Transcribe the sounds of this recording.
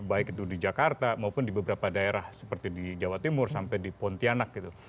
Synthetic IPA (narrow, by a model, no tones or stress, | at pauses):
baɪkit̪udid͡ʒakart̪amaupʊndibəbəɾapadaeɾahsə̥pərt̪idid͡ʒawat̪imʊrsampajdipɔnt̪ianak̚ɡit̪u